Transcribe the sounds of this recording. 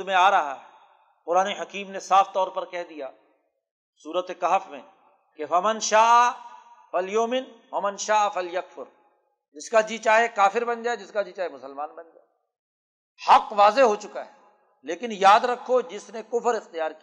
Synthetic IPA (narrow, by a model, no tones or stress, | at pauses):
mẽaːɾɐɦa̰ɦɛː | qʊɾaːneɦɐkiːmnesaːft̪ɔːɾpɐɾkɛɦd̪ijaː | suːɾət̪ekɐɦfmḛ̃ | kefɐmɐnʃaːʔa | fɐljoːmɪnwɐmɐnʃaːafɐljɐkfʊɾ | d͡ʒɪskad͡ʒit͡ʃaːɦekaːfɪɾbɐ̃nd͡ʒaːed͡ʒɪskad͡ʒiːt͡ʃaːɦemʊsəlmaːnbɐnd͡ʒaː | hɐqʋaːzeɦot͡ʃʊka̰ɦɛː | leːkɪnjaːd̪ɾɐkʰːod͡ʒɪsnekʊfəɾɪxt̪ijaːɾki